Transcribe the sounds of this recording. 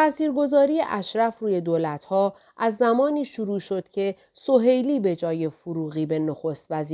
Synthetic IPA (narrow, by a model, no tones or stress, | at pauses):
t̪ʰæsiːɾɡo̞zɒːɾiːje̞ʔæʃɾæfruːje̞d̪oːlæt̪ʰhɒː | ʔæzːæmɒːniːʃuɾuːʃo̞d̪̥cʰe̞ | so̞ɦe̞jliːbe̞d͡ʒɒːje̞foɾuːɣiːbe̞noxost̪væziː